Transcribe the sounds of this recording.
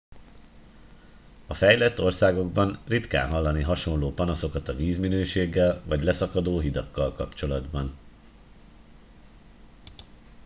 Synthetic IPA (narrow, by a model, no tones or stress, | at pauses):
ɒfɛjlɛt̪ːo̞rsaːɡo̞ɡbɒnrit̪ka̰ːnɦɒlːɒniɦɒʃo̞nloːpɒnɒso̞kɒt̪ɒviːzminøːʃeːɡːɛlvɒɟlɛsɒkɒd̪oːɦid̪ɒkːɒlkɒpt͡ʃo̞lɒd̪bɒn